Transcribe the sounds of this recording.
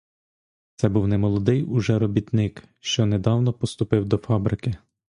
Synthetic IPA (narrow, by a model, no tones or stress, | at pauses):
t̪sɛbuwnɛmɔlˠɔd̪ɪjʊʒɛɾɔbʲit̪nɪkʃt͡ʃɔned̪ɑwnɔpɔst̪ʊpɪwd̪ɔfɑbɾɪkɪ